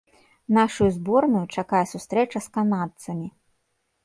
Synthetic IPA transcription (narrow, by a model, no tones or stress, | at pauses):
naʂujuzbɔrnʊjut͡ʂakajɛsust̪ɾɛt͡ʂɐskanat̪sɐmʲi